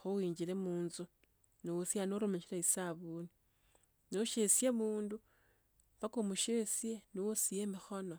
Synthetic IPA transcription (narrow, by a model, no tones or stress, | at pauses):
xuwiːɲd͡ʒilemuːnzu | niwusjanoɾumeʃilaisaβuni | noʃesjemuːndu | pakomuʃesjeniwusijemixo̞no